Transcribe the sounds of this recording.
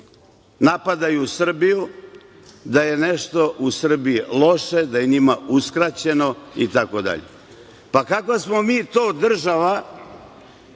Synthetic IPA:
napad̪ajuusr̩biju | d̪aje̞neʃt̪o̞ʔusr̩biilˠo̞ʃe̞d̪aje̞ɲimauskɾat͡ɕe̞no̞it̪ako̞d̪a̰ʎḛ | pakakʋasmo̞miːt̪o̞ːd̪r̩ʒaʋa

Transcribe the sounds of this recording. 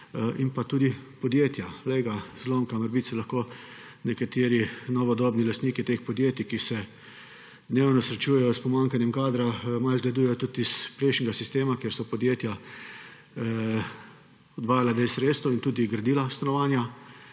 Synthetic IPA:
inpat̪uːd̪ipɔd̪jeːt̪jaleɡazlomkaməɾbit̪sɛlaxko | nɛkat̪eːɾinɔʋɔd̪ɔːbnilast̪niːkit̪eːxpɔd̪jeːt̪ikisɛ | d̪newnɔsɾɛt͡ʃuːjɛjɔspɔmaŋkanjɛmkaːd̪ɾamalzɡlad̪ujɛjɔt̪ut̪ispɾɛɪʃnʲɛɡasist̪eːmakjeɾsɔpɔd̪jeːt̪ja | ɔd̪ʋaːjalad̪eɪsɾeːt̪st̪ɔint̪uːd̪iɡɾad̪iːlast̪anɔʋaːnja

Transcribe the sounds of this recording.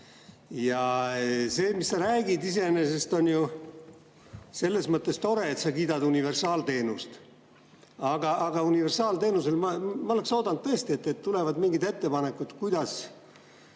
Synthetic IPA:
jɑ | se̞ːmisːɑɾæːɡid̪is̬e̞ne̞se̞st̪o̞nʲju | se̞lːe̞smɤt̪ːˑest̪o̞ɾe̞ːt̪sɑkiːd̪ɑd̪unive̞rsɑːlt̪e̞ːnust̪ | ɑɡ̥ɑːɡ̥ɑunive̞rsɑːlt̪e̞ːnuse̞lmɑmɑole̞kso̞ːd̪̥ɑnd̪̚t̪ɤest̪iet̪ːet̪ːt̪ːule̞vɑd̪miŋɡid̪e̞t̪ːe̞pɑne̞kːˑut̪kujd̪̥ɑs

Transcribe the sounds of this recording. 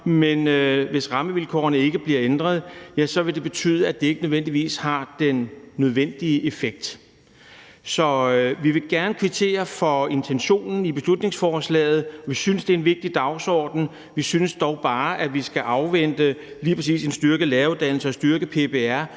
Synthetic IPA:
menøʋe̝sʁɑ̈məʋilkʰɒ̰ɐnəe̝ɡ̥əb̥liɐend̥ʁɐð̞ˠjæsɒ̽ʋe̝d̥e̝b̥e̝t͡sʰy̰ːðˠəæd̥e̝e̝ɡ̥ənøðˠʋen̰d̥iʋḭːshɑ̈d̥enːøð̞ˠʋen̰d̥iəʔe̝feɡ̥̚d̥ | sɒ̽ʋiʋe̝ɡ̥æɐnəkʰʋit͡sʰe̝̰ːɐfɒ̽e̝nt͡sʰenɕo̝̰ːnn̩ib̥e̝slud̥ne̝ŋsfɒːslɛ̰ːɪð̞̩ˠɒʋisynəsd̥e̝ɐe̝nʋe̝ɡ̥̚d̥id̥ɑ̈ʊsɒːd̥n̩ | ʋisynəsd̥ɒʊb̥ɑ̈ːʔæʋisɡ̥æʔɑ̈ʊʋen̰d̥ə | liːpʰʁɐesḭːse̝nsd̥ɶɐɡ̥əlɛːɐuðˠd̥æn̰l̩səɒ̽sd̥yɐɡ̥əpʰe̝pe̝æɐ̰

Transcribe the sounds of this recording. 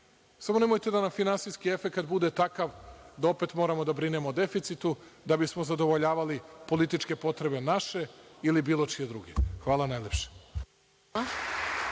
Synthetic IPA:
samone̞mojt̪e̞d̪anamfinansijskie̞fe̞kat̪̚bud̪e̞t̪akaʋd̪ao̞pe̞t̪moɾamo̞d̪abɾine̞mod̪e̞fit̪sit̪u | d̪abismozad̪o̞ʋoʎaːʋalipo̞lit̪it͡ʃke̞po̞t̪ɾe̞be̞naʃe̞ilibiːlˠo̞t͡ʃije̞d̪ɾṵɡḛxʋaːlanajlʲepʃe̥

